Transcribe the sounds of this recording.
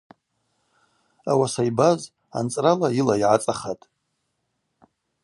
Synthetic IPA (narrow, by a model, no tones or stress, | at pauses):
awasajbaz | a̰nt͡sʼralailaiʕat͡sʼaχatʼ